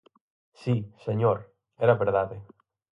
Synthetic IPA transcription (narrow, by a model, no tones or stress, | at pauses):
siseɲoɾ | ɛɾaβeɾðaðe